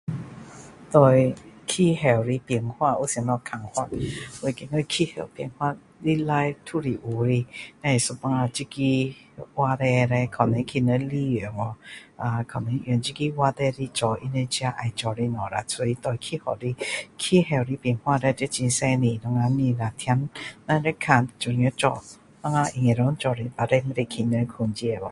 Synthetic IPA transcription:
t̪ɔ˧˩jkʰi˧˨hɛ˨˩wɾi˧˦pi˨əŋhwa˦˧ʔu˧˦sŋnɔ˧kʰa˨˩ŋhwa˦˧˨t̚we˧˩˨ki˧˨ŋə˧kʰi˧hɛ̰˨˩wpŋhwa˧ | li˦la˧˦jt̪ʰu˦˧˨ɾi˨ʔu˨˦ɾi˧˨nã˧˨su˧pa˧ŋa˧t͡ɕi˦ki˦ | wa˧ɾɛ˧ɾɛ˧kʰa˨˩nẽ˧˦kʰi˧nə˧˦li˦˨e˨ŋɔ˧˦a˨kʰa˨˩nɛ̃˧˦ʔjɛ˨nt͡ʃi˦ki˦wa˧t̪ɛ˧ɾi˧t͡ʃɔ˨ʔi˧˦ne˧˦t͡ɕja˧˦ʔa˨jt͡ʃɔ˨ɾi˧nɔ̃˨ɾa˨t͡sʰo˧i˧˦t̪ɔ˧˨˧kʰi˦hɔ̰˨ɾi˧˦kʰi˦ɦɛ˧˩wɾi˧˦pjɛ˨nhwã˧ɾe˧te˦t͡ɕĩ˧nsɛ̃˦˧nĩ˧nɔ˧ŋa˧nĩ˧na˨t̪ʰja˧˦nːã˧ɾe˦kʰã˧˨n˨t͡ʃɔ˨i˨˧ə˧˦t͡ʃɔ̰˨ | nɔ˧˦ŋa˧ʔi˨ŋẽ˨ɾɔ˧˦ŋt͡ʃɔ˨ɾi˧ba˨ɾe˧m˦ɾi˧˨kʰi˧nə˧˦kʰu˨˧nd͡ʒi˧e˨bɔ˨

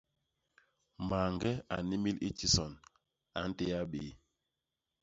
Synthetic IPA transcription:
ma˨ŋɡɛ˦a̰˨ni˦mi˦lḭ˦ti˦sɔ˨n | a̰˨˦n̩˦te˦ja˦ɓe˨˦

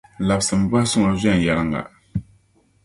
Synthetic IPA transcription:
la˨bsɨ˨m˨ba˦sʊ˦ŋa˨zɛ˦˨n˨ja˨lɨ˦ŋa̰˨

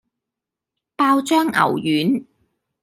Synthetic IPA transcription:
paː˧wt͡ʃœː˥ŋʔɐ̰˨˩wjyː˨˥n

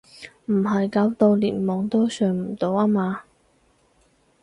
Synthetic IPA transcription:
m̩˨˩ɦɐ˨jkaː˨˥wt̪o˧wlḭː˨˩nmɔː˨˧ŋt̪ɔː˥sœː˨˧ŋm̩˨˩t̪o˨˧waː˥maː˧

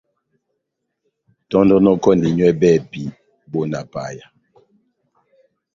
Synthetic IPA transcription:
tɔ˦ndɔ˦nɔ˦kɔ˦ndi˨ɲwɛ˦bɛ˦˨pi˨˦ | bɔ˦˨na˨pa̰˨ja˨

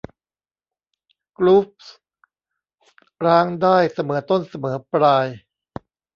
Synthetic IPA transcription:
klu˦˥p̚s | ɾaː˦˥ŋdaː˥˩jsa˧mɤː˩˦t̪o˥˩nsa˧mɤː˩˦pɾaː˧j

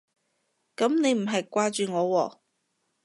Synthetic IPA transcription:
kɐ˨˥mne˨˧jm̩˨˩ɦɐ˨jkʷaː˧t͡ʃyː˨ŋɔː˨˧wɔː˨

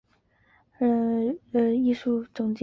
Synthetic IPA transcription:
ə˧˩ə˧i˥˧ʂu˥˩ʈ͡ʂʊ˨˩ŋt͡ɕ

